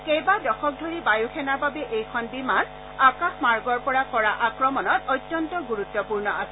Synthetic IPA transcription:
kejbadɔxɔk̚dʱoɹibajukʰɛnababɛʔejkʰɔnbiman | akaxmaɹɡɔɹpɔɹakɔɹaʔakɹɔmɔnɔtɔjt̪ːjɔntɔɡuɹutːɔpuɹnɔasɛ

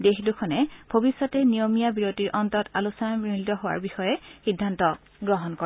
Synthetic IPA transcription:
dexdukʰɔnɛbʱobisːɔtɛnijomijabiɹotiɹʔɔntɔtalusɔnamɹildɔɦowa̰ɹbixɔjɛxidʱːantɔ | ɡɹɔɦɔnkɔ

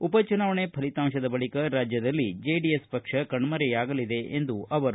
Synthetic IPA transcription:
upɐt͡ʃunaːʋɐɳepʰɐlit̪aːmʃɐd̪ɐbɐɭikɐɾaːd͡ʒjɐd̪ɐlːid͡ʒeːɖiespɐkʂɐkɐɳmɐɾɛjaːɡɐlid̪e̞ʔend̪uɐʋɐɾu

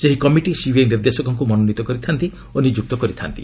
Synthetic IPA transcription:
d͡ʒeɦikɔmiʈisibʱiejniɾd̪esɔkɔŋk̬umɔnonit̪ɔkɔɾit̪ʰant̪i | onid͡ʒuk̚t̪ɔkɔɾit̪ʰa̰nt̪ḭ

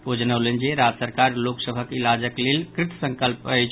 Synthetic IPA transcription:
od͡ʒənəwlənd͡ʒeɾad͡ʒsəɾkaɾloksəbʱəkilad͡ʒəklelkɾit̪səŋkəlpəjt͡ʃʰ

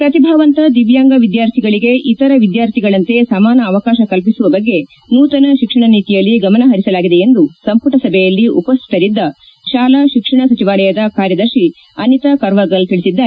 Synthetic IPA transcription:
pɾɐt̪ibʱɐʋɐnt̪ɐd̪iʋjaːŋɡɐʋid̪jaːɾt̪ʰiɡɐɭiɡe̞ʔit̪ɐɾɐʋid̪jaːɾt̪ʰiɡɐɭɐnt̪e̞sɐmaːnɐːʋɐkaːʃɐkɐlpisuʋɐbɐɡːe̞ | nuːt̪ɐnɐʃikʂɐɳɐniːt̪ijɐlːiɡɐmɐnɐɦɐɾisɐlaːɡid̪e̞end̪usɐmpuʈɐsɐbʱɛjɐlːiʔupɐst̪ʰi̥t̪ɐɾid̪ːɐ | ʃaːlaʃikʂɐɳ̃ɐsɐt͡ʃiʋaːlɐjɐd̪ɐkaːɾjɐd̪ɐɾʃi | ɐnit̪ɐkɐɾʋɐɡɐlt̪iɭisid̪ːaːe

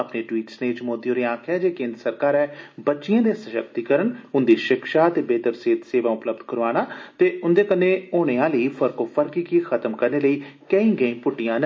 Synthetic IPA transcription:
əpneːʈwiːʈsneːt͡ʃmoːd̪ioːɾeːãːkʰɛːd͡ʒeːkẽːnd̪ɾəsəɾkaːɾɛːbətːʃɪjãːd̪eːsəʃəkt̪iːkəɾənʊnd̪iːʃɪkʃaːt̪eːbeːt̪əɾseːt̪seːʋaːʊpləbd̪kəɾʋaːɽ̃aːt̪eːʊnd̪eːkənːẽːoːɽ̃eːãːləiːfʰəɾkoːpʰəɾkiːkiːxʰət̪əmkəɾneːləiːkəĩːɡəĩːpʊʈːɪjãːn

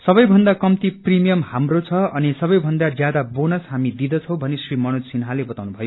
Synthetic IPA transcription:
sʌbʌjbʱʌnd̪akʌmt̪iprimijʌmhamrot͡sʰʌʌnisʌbʌjbʱʌnd̪ad͡zjad̪abonʌsɦamid̪id̪ʌt͡sʰʌw̃bʱʌnesrimʌnod͡zsinɦalebʌt̪awnubʱʌjo

